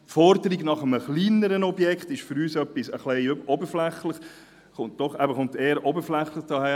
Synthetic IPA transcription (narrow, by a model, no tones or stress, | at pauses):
fɔɾdəɾiɡnɑχəməχliːnəɾənɔbjɛkχt̪ɪʃfʏɾyːsœpːisəχlɛɪøbʔɔbəɾflæχləχ | χʊnt̚d̥ɔχɛbəχʊnt̪eːəɾʔɔbəɾflæχləχd̥ɑhæː